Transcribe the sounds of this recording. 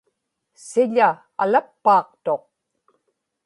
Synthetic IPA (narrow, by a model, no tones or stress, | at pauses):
sɪʎa | a̰lapːɑːqt̪o̞q̚